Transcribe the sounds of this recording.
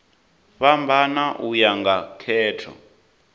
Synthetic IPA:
ɸambʱanaʔujaŋɡakʰɛːtʰɔ̰

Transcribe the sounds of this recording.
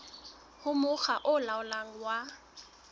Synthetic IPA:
hʊmʊχaʔʊlaʊlaŋ̩wa

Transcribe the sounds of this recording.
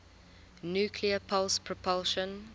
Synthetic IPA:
njuːkʰliəpʰʌlspʰɹɔpʰɔlˠʃə̃n

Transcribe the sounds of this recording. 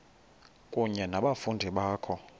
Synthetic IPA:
kʼuɲɛnaɓafundʱiɓaːkʰɔ

